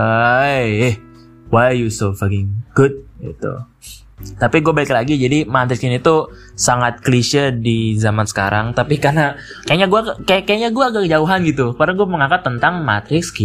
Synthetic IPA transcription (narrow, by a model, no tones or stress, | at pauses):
ajh | wajjusofakɪŋɡ̥ʊt̪̚ɡḭt̪ṵ | t̪apiɡuabaɪklaɡid͡ʒadimat̪ɾɪksɪnit̪usaŋat̪̚kliʃədizamansə̥ka̰ɾʔa̰ŋt̪apikarnakajaɲaɡuakaakajaɲaɡuaɡakəd͡ʒauɦanɡit̪ukardaɡuaməŋakat̪ːənt̪aŋma̰t̪ɾɪkski